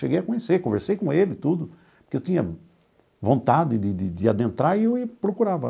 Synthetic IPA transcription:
ʃeɡejɐkõɲesekõveɾsejkõelɪt̪ud̪ʊ | pʊɾkewt̪ĩɲɐ̰ | võnt̪ad̪ɪd̪ɪd̪ɪd̪ɪad̪ẽnt̪ɾaɪeɪpɾokuɾavɐ̰

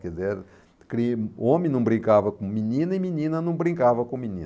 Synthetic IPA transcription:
kɛdzeɾ | kɾiõmẽnɐ̃w̃bɾĩŋkavɐkõminĩnɐiminĩnɐnɐ̃w̃bɾĩŋkavɐkõminḭ̃n

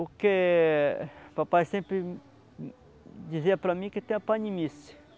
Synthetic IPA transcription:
ʊke | papajsẽmpɾɪ | d̪iziɐpɾɐmĩkɪt̪ẽj̃ɐpãnimisɪ̥

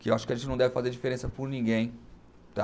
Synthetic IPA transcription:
kɪewaʃʊ̥kɪɐʒẽt͡ʃɪnɐ̃w̃d̪ɛvɪfazeɾd͡ʒifeɾẽsɐpʊɾnĩɡẽj̃ | t̪a̰

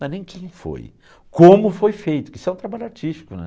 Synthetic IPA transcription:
ɛnẽj̃kʰẽj̃fo̰j | kõmʊfojfejt̪ʊkisʊɛ̃t̪ɾabaʎʊaɾt͡ʃiʃt͡ʃi̥kʊnɛ̰

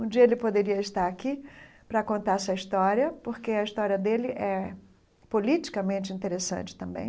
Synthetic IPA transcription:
ũd͡ʒiɐelɪpod̪eɾiɐɪst̪aɾakipɾɐkõnt̪aɾsɐist̪ɔɾjɐpoɾkeɐiʃt̪ɔɾiɐd̪elɪʔɛ | polit͡ʃi̥kɐmẽnt͡ʃɪĩnt̪eɾesɐ̰̃nt͡ʃɪ̥t̪ɐ̃mbḛ̃j̃

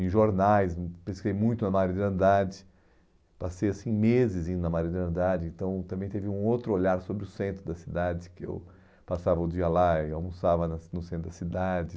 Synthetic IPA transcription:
ẽʒoɾnajspɾeskizejmũj̃t̪ʊnɐmaɾɐd͡ʒ̪ɪɐ̃nd̪ad͡ʒɪ | pasejasĩmezɪzĩd̪ʊnɐmaɾid̪iɾɐ̃nd̪ad͡ʒɪẽnt̪ɐ̃w̃t̪ɐ̃mbẽt̪evɪũowt̪ɾʊoʎaɾsobɾɪʊsẽnt̪ɾʊd̪ɐsid̪ad͡ʒɪkɪḛw | pasavɐʊd͡ʒiɐlaɪawmusavɐnɐnʊsẽnt̪ɾʊd̪ɐsid̪ad͡ʒɪ

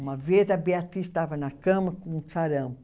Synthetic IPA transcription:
ũmɐvezɐbeat̪iʃt̪avɐnɐkɐ̃mɐkõũsaɾɐ̃

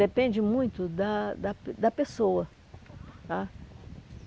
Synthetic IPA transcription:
epẽnd͡ʒɪmũj̃t̪ʊd̪ɐd̪ɐd̪ɐpesowɐ | a

